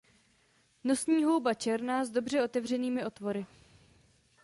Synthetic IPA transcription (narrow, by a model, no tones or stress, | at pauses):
no̞sɲiːɦo̞wbat͡ʃɛɾnaːzdo̞br̝ɛo̞t̪ɛvr̝ɛniːmɪʔo̞t̪vo̞ɾɪ